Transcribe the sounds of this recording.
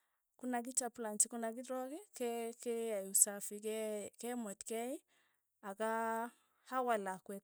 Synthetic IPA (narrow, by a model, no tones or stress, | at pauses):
kunak̬it͡ʃaplant͡ʃikunak̬iɾɔkikɛkeajusafikɛkɛmɔtkɛi | aka | hawalakwɛt